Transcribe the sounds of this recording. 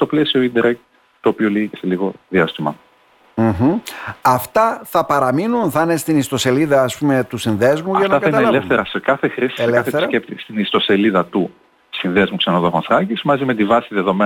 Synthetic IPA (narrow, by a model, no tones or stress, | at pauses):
st̪o̞ple̞sio̞ind̪eɾek | t̪o̞ːpio̞liɣicese̞liɣo̞ðiɐst̪imɐ | ɦ̩ɐft̪ɐθɐpɐɾɐminunθɐne̞st̪inist̪o̞se̞liðɐːspume̞t̪usinðe̞zmuɐʝɐnɐɐθkɐit̪ɐneɐlefθeɾɐsekɐθexɾisi̥selkfθeθesɐkept̪ist̪inist̪o̞se̞liðɐt̪u | sinðezmuksenoðo̞xonθɾɐcismɐzime̞t̪ivɐsiðeðo̞me